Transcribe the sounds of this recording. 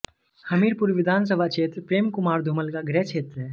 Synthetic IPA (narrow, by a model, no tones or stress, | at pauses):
həmiːɾpuɾʋid̪ʱaːns̬əbʱat͡ʃeːt̪ɾpɾeːmkumaːɾd̪ʱuməlkaɡɾɛt͡ʃʰeːt̪ɾəɦɛ